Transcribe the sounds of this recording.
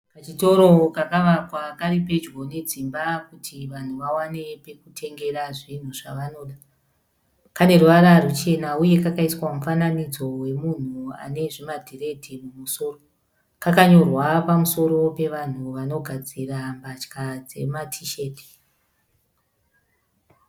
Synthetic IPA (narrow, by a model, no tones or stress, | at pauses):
pat͡ʃito̞ɾo̞kakaʋakwakaripe̞d͡ʒɡo̞ne̞d͡zimbakutʰiʋan̤uʋawane̞pe̞kutʰe̞ŋɡe̞ɾaʐin̤uʐaʋano̞ːɗa | kane̞ruʋaɾarut͡ʃe̞nauje̞kakaiswamufananid͡zo̞we̞mun̤ua̰ne̞ʐimadʱire̞dʱimumuso̞ːro | kakaɲo̞rwapamuso̞ɾo̞pe̞ʋan̤uʋano̞ɡʱad͡zirambat͡ʃkad͡ze̞̰matʰiʃe̞ːti̥